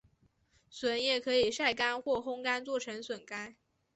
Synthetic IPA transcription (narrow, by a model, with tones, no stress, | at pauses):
swə˨˩˦njɛ˥˩kʰɤ˧˥i˨˩ʂa˥˩ɪka˥nxwɔ˥˩xʊ˥ŋka˥nt͡swɔ˥˩ʈ͡ʂʰɤ˧˥ŋswə˨˩nka˥n